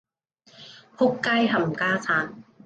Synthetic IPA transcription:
ho˦˥kːaː˥jɦɐ˨˩mkaː˥sʰaː˨˥n

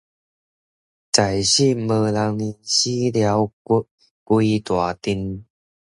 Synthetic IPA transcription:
t͡sa˨˩jɕi˥˨mɤː˧la˨˦ŋli˧˩nɕi˦lja˨˧˦wku˧˩ | kwi˧t̪wa˨˩t̪i˧˥n

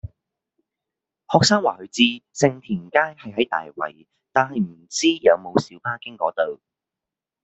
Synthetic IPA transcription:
hɔː˨k̚saː˥ŋwaː˨˩hɵ˨˧ɥt͡siː˧sɪ˨ŋt̪ʰiː˨˩nkaː˥jhɐ˨jɦɐ˨˥jt̪a̰ː˨jwɐ̰˨˩j | t̪aː˨nhɐ˨jm̩˨˩t͡siː˥jɐ˨˧wmo˨˧wsiː˨˥wpaː˥kɪ˥ŋkɔː˨˥t̪o˨w

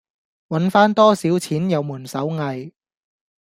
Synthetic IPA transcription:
wɐ˨˥nfaː˥nt̪ɔː˥siː˨˥wt͡sʰiː˨˥njɐ˨˧wmuː˨˩nsɐ˨˥wŋɐ˨j

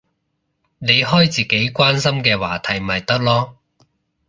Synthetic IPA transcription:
ne˨˧jɦɔː˥jt͡siː˨ke˨˥jkʷwaː˥nsɐ˥mkɛː˧wa̰ː˨˩t̪ʰɐ˨˩jm˨ɐ˨˩jt̪ɐ˥k̚lɔː˥

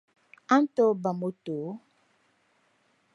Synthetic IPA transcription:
a˦n̩˦tɔ˦ba˨mo˨˦to˨˦

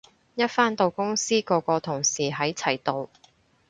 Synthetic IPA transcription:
jɐ˥t̚faː˥nt̪o˨wkʊ˥ŋsiː˥kɔː˧kɔː˧t̪ʰʊ˨˩ŋsiː˨˩ɦɐ˨˥jt͡sʰɐ˨˩jt̪o˨w

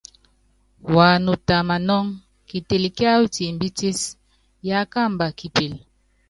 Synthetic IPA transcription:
wa˨nu˨ta˨ma˨nɔ˦ŋ | ki˨te˨li˨kja˦wu˦ti˨m̩˨bi˦ti˦s | ja˦ka˦˨mba˨ki˨pi˨l

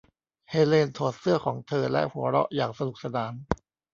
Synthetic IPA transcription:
heː˧leː˧nt̪ʰoː˨˩t̪̚sɯ˥˩ɐkʰɔː˩˦ŋt̪ʰɤː˧lɛ̰˦˥ʔhu˨˩˦ɐɾɔ̰˦˥ʔjaː˨˩ŋsa˧nu˨˩k̚sa˧naː˩˦n

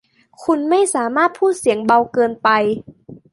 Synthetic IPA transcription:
kʰu˧nma˥˩jsaː˩˦maː˥˩t̪̚pʰuː˥˩t̪̚si˩˦əŋba˧wkɤː˧npa˧j

